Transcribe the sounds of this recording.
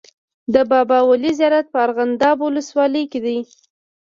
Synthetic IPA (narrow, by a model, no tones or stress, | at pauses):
d̪əbɑbɑwalizijɑɾat̪̚pəaɾɣand̪ɑbwʊləswɑləjked̪aj